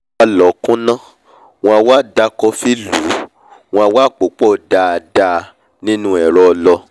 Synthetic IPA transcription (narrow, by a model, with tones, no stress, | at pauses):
a˨˧lɔ˨kũ˦nã˦ | w̃ɔ̃˧a˧waː˦˨da˦kɔ˧fi˦lu˨˦ | w̃ɔ̃˧a˧waː˦˨k͡po˨˦k͡pɔ˦˨da˧a˨da˧ | nĩ˦nũ˦ɛ˨ɾɔ˧lɔ˧